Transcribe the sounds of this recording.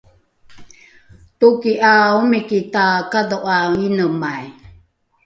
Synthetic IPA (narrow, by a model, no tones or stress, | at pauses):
tukiʔaumikitakadoʔainəmaj